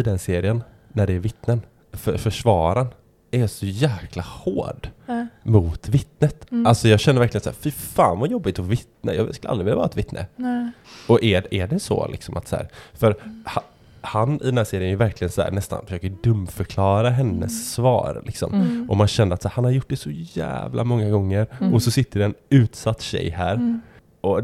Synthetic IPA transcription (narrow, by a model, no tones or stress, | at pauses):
ɨd̪ɛnseːɾɪənː | æɖɛːɾvɪt̪nən | fœfœʂvɑːɾan | æɾjasɔjæːkʰlahoːɖmʊt̪vɪt̪nət̪ʔalsɔjɑːɡɛnːəvæɾklɪɡənsæ̰ːɾfɪfa̰ːnvajɔbːɪt̪ɔvɪt̪nə̰jɑːskɵləa̰ld̪ɾɪɪlːavɑːɾaɛt̪vɪt̪nʔə̰ | ɔʔɛæɖɛsɔ̰lɪ̰ksɔ̰mʔa̰t̪sæ̰ːɾfœɾha | hanɪ̰d̪ɛnhæːseːɾɪənɛjʉvæɾklɪɡənsɔæ̰ːnɛst̪a̰nfœ̥ʂøːkəɖɵmfœɾkʰlɑːɾaɦɛnːə̰sːvɑ̰ːɾlʔɪksɔ̰mʔɔmanɕɛnd̪əɾat̪sæːɾhanhaɾjʊʈ̚ːdɛsɔjæ̰ːvlʔa̰mɔŋːaɡɔŋːəɾɔsɔsɪt̪ːəɖɛːnʉ̟ːt̪sat̪ːɕɛ̰jːhæːɾ | ʔɔ